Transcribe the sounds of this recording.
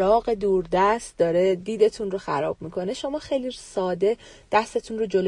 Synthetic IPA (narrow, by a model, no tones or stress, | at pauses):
ɾɒːɣe̞d̪uːɾd̪æst̪̚d̪ɒːɾed̪iːd̪e̞t̪ʰunro̞xæ̰ɾɒːb̥̚miːkʰo̞ne̞ʃo̞mɒːxejlisɒːd̪e̞ | d̪̥æst̪e̞t̪ʰunro̞d͡ʒo̞lo